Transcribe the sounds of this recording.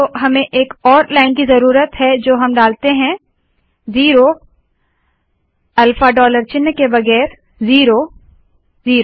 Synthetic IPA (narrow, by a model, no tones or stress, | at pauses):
oɦɐmẽʔeːkɔːɾlaːɪnkizɐɾuːɾət̪ɦɛd͡ʒoːɦɐmɖaːlt̪eɦɛ̃ | ziːɾo | ɐlfaɖɔːləɾt͡ʃɪnːkebɐɣɛːɾ | ziːɾo | ziːɾo